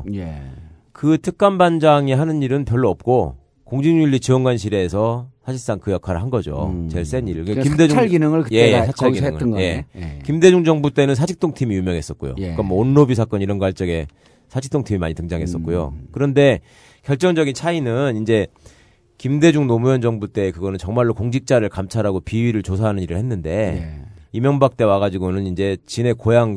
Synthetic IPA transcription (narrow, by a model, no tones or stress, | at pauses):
kɯtʰɯk̚k͈amband͡ʑaŋiɦanɯɲiɾɯnpjʌɭːoʌp̚k͈o | koŋd͡ʑiŋiʎːit͡ɕiʌŋɡwanɕ̬ʰiɾe̞ːsʰʌsʰaɕʰiɭs͈aŋkɯjakʰaɾɯɭɦanɡʌd͡ʑo̰t͡ɕe̞ɭs͈e̞niɾɯkekkimded͡ʑuɡinɯŋɯɭɯje̞jesat͡ɕʰaɡiŋɯɭje̞kimde̞d͡ʑuŋd͡ʑʌŋbut͈e̞nɯnsʰad͡ʑʰik̚t͈oŋtʰimijumjʌŋɦe̞s͈ʌt̚k͈ojo̰kamwʌonːobisʰak͈ʌniɾʌnɡoaɭt͡ɕ͈ʌɡe̞ | sʰad͡ʑʰik̚t͈oŋtʰimima̰ɲitɯŋd͡ʑaŋɦe̞s͈ʌt̚k͈ojo̰kɯɾʌnde̞ | kjʌɭt͡ɕ͈ʌŋd͡ʑʌɡint͡ɕʰainɯnind͡ʑe̞ | kimde̞d͡ʑuŋnomujʌnd͡ʑʌŋbut͈e̞ːkɯɡʌnɯnt͡ɕʌŋmaɭːokoŋd͡ʑik̚t͡ɕ͈aɾɯɭkamt͡ɕʰaɾaɡopiɥiɾɯɭt͡ɕos̬ʰaɦanɯɲiɾɯɭhe̞nːɯnde̞ | imjʌŋbak̚t͈e̞waɣad͡ʑiɡonɯnind͡ʑe̞t͡ɕine̞kojaŋ